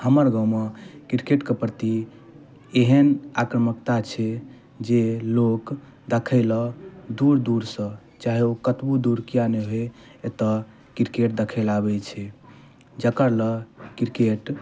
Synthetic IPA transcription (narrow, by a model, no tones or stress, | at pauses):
həməɾɡãwmekiɾkeʈkepɾt̪i | eɦənakɾəməkt̪at͡ʃʰɛ | d͡ʒelok | d̪əkʰəɪlɔd̪uɾd̪uɾsə̃ | t͡ʃaɦeokət̪bud̪uɾkijaneɦoe | et̪ɔ | kiɾkeʈ̚d̪ekʰəlabɛt͡ʃʰɛ | d͡ʒəkəɾləkiɾkeʈ